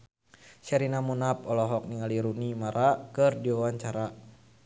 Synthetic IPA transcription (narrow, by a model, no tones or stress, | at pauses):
ʃɛɾinamunap̚ɔlɔɦɔk̚niŋaliɾunimaɾʔakɨrdiwawaɲt͡ʃaɾa